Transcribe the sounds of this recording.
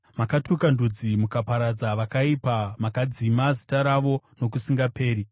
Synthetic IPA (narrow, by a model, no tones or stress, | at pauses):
makatukandud͡zimukapaɾad͡zaʋakaipamakad͡zimazitaɾaʋo̞no̞k̬usiŋɡape̞ːɾi